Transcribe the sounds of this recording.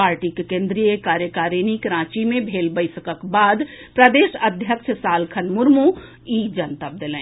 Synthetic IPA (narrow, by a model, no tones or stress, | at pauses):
aːɾʈikekẽːnd̪ɾijekaːɾjəkaːɾinikɾãːt͡ʃimẽbʱeːlbəɪsəkəkbaːd̪ | pɾəd̪eːʃəd̪ʱjəkʃʰəsaːlkʰənmʊɾmu | iːd͡ʒənt̪əp̚d̪elɛ̃ː